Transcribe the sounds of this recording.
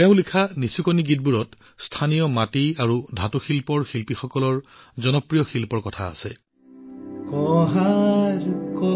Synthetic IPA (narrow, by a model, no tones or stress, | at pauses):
tɛʊ̃likʰanisikɔniɡit̚buɹɔt | stʰanijɔmatiaɹudʱatuxilpɔɹxilpixɔkɔlɔɹzɔnɔpɹijɔxilpɔɹkɔtʰa̰ːsɛ | kɔɦaɾukɔ